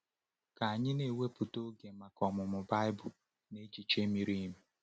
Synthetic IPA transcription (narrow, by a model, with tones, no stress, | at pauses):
ka˨a˨ɲɪ˦ne˨we˦pʊ˨to˦ɡe˨ma˨kɔ˨mʊ˨mʊ˨ba˦ɪ˦bʊ˨ | ne˦d͡ʒi˨t͡ʃe˦mi˦ɾi˦mi˨